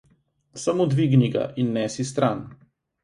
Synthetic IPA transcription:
samod̪ʋiɡniɡa̰ʔinːɛːsis̬t̪ɾʔaːn

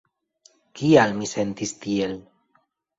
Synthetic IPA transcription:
kialmisent̪ist̪iel

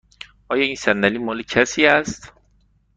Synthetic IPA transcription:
ʔɒːjɒːiːnsænːæliːmɒːlecʰæsiːæst̪

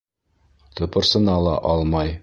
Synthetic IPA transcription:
t̪ŏpɤ̆ɾsɤ̆nɑlˠɑ̰ʔɒlˠmɑj

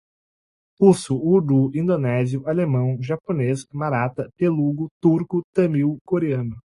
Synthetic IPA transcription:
usuuɾd̪uĩnd̪onɛziʊalemɐ̃w̃ʒaponesmaɾat̪ɐpeluɡʊt̪uɾkʊt̪ɐ̃miwkoɾeɐ̃nʊ

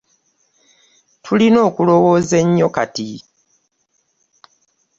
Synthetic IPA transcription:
tʰulino̞ːkulo̞wo̞ːze̞ɲːo̞ka̰ti

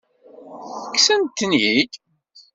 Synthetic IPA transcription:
θəkːsənt̪ːənjid̪

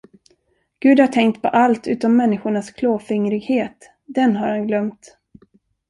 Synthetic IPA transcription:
ɡ̥ʉ̟ːd̪haʈʰɛŋk̚t̪pʰɔ̰ʔalt̪ʉ̟ːt̪ɔmːɛnːɪɧʊɳaskʰloːfɪŋɾɪɡheːt̪ | d̪ɛnɦaɾhanɡlœmt̪

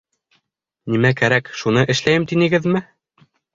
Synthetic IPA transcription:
nimækæɾækʃunɤʔɘ̆ʃlæjɘmt̪inɘ̆ɡɘðmɘ

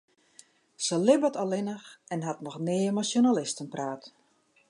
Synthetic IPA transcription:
səlɪbətɔlˠɪnəxɛnɦatnɔxnɪːmasjonalɪstənpraːt

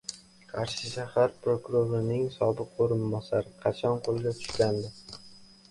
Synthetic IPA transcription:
qʰɑɾʃɪʃahaɾpɾokʊɾoɾɪnɪŋsɒbɨq̚oɾɪnbɒsaɾɪqʰɑt͡ʃʰɒnqʰolˠɡʲat̪ʰʊ̥ʃkʲand̪ɪ

